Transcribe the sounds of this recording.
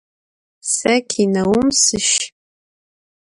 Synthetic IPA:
sɐkʲʰinɐwʊmsɨʃ

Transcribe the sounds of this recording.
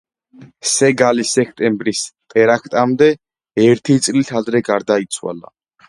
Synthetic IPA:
sɛɡalisɛkʰt̪ʼɛmbɾist̪ʼɛɾakʰt̪ʼamd̪ɛ | ɛɾt̪ʰit̪sʼlit̪ʰad̪ɾɛɡaɾd̪ait̪sʰwa̰la̰

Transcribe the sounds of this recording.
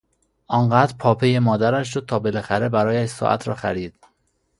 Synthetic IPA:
ʔɒːŋɢæːd̪ɾpʰɒːpʰe̞jemɒːd̪æɾæʃʃod̪̚t̪ʰɒːbe̞læxæɾe̞bæɾɒːjæʃsɒ̰ʔæ̰t̪ʰɾɒ̰ːxæɾiːd̪̥

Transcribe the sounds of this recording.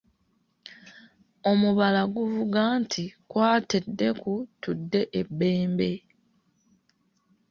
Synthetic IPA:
o̞muβalaɡuvuɡaːntʰikwaːtedːe̞kutudːe̞ʔebːe̞ːmbe̞

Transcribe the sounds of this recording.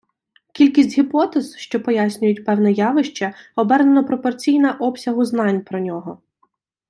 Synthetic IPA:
kʲilʲkʲisʲtʲɦʲipɔt̪ɛz̥ʃt͡ʃɔpɔjasʲnʲʊjʊtʲpɛwnɛjɑʋɪʃt͡ʃɐɔbɛrnenɔpɾɔpɔrt͡sʲijnɐʔɔpsʲɐɦʊzn̪ɑnʲpɾɔnʲɔɦɔ

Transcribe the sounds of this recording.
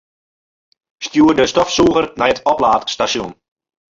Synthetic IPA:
stjuərdəstɔfsuːɣərnɛjətʰɔplaːtstasjun

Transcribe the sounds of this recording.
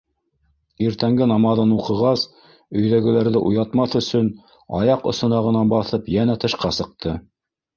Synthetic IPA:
iɾt̪æŋɡɘnɑmɑðɤnuqɤ̆ʁɑs | ɵ̆jðæɡɘ̆læɾðɘʔujɑt̪mɑθɵ̆sɵn | ɑ̰jɑqŏ̰sŏnɑʁɤ̆nɑnbɑθɤpjænæt̪ɤ̆ʃqɑsɤ̆q̚t̪ʰɤ

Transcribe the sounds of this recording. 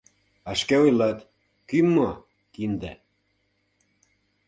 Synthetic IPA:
ɑʃkeojlɑt̪ | kymːo | kind̪æ̰

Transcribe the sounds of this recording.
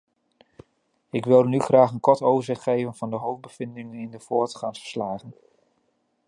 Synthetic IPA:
ɪkʋɪlˠnyχraːχənkɔɹtowvəɹzɪχtχejvənvɑndəɦowfbəv̥ɪndɪŋənɪndəv̥ʊːɹtχɑŋsfə̥ɹ̥slaːχən

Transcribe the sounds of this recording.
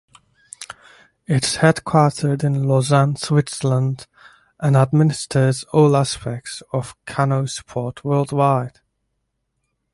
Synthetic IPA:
ɪtshɛd̥kʰw̥ɑɹɾʰə˞dɪ̃nlɔzãnswɪtsələ̃nd | ʔə̃nəd̚mɪnɪstʰəzɔlˠaspɛk̚tsəv̥kʰanoʊspʰɔɹtʰwɜ˞lˠd̚waɪd̥

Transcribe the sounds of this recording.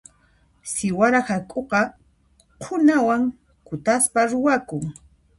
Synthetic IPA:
sɪwaɾahakʼoqɑ | qʰʊnawaŋ | kʊt̪aspaɾʊwakʊŋ

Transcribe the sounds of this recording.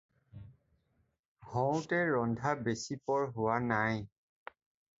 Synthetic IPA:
hɔ̃wtɛɹɔndʱabesipɔɹɦʊwanaj

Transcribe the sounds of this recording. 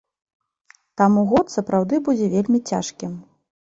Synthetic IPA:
t̪amuɣɔt̪sɐpɾawd̪ɨbud͡zʲɛvʲelʲmʲit͡sʲa̰ʂkʲim

